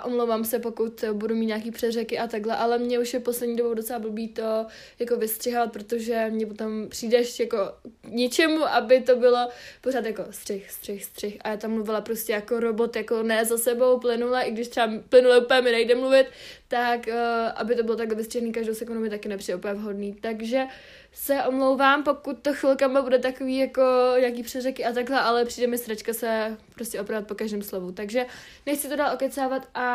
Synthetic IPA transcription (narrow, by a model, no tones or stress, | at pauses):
ʔomlowvamsɛpo̞kut̪budumiːt̪ɲaːk̬iːpr̥ɛdrɛkɪʔat̪aɡlɛʔalɛmɲɛuʃjɛposlɛdɲiːdobowdo̞t͡sɛlabl̩biːt̪o̞ | jakovɪst̪r̥ɪɦovat̪̚pɾot̪oʒɛmɲɛpot̪o̞mpr̥iːdɛʃjako̞kɲɪt͡ʃɛmuʔabɪt̪o̞bɪlo̞poɾaːt̪jako̞st̪r̥ɛxst̪r̥ɛxst̪r̝̥ɛxʔajat̪amːluvɪlapɾoscʲɛjako̞ɾobot̪jako̞nɛzasɛbo̞wplɪnulaʔɪɡdɪʃt̪rɛaplɪnulaupɛɛmɪnajdɛmluvɪt̪ːakːʔa̰bɪt̪obɪlot̪aɡlɛvɪst̪r̥ɛɦniːkaʒdowsɛkundumɪt̪akɪnɛpr̥iːdɛupɲɛvɦo̞dniːt̪aɡʒɛ | sɛʔo̞mlowvaːmpo̞kut̪ːoxvɪlkamabudɛt̪akoviːjako̞ɲaːk̬iːpr̝ɛrɛkɪat̪aɡɦlɛʔalɛpr̥iːdɛmɪsɾat͡ʃkasɛpɾoscʲɛopɾavat̪̚po̞kaʒdɪːmslovut̪aɡʒɛ | nɛxt͡sɪt̪odaːlo̞kɛt̪t͡saːvat̪ʔa